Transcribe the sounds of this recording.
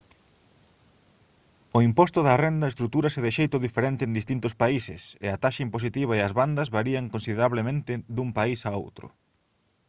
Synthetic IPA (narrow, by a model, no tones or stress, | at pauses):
oimpɔst̪ʊðɐrend̪ɐest̪ɾut̪uɾɐsɛðɪʃejt̪ʊðifeɾent̪ɪeːnd̪ist̪int̪ʊspaisɪ̰sḛɐt̪aʃaimposit̪iβ̞aeɐzβand̪ɐzβaɾiɐŋkonsiðeɾaβlemẽnt̪ɪðumpaisao̰wt̪ɾʊ̰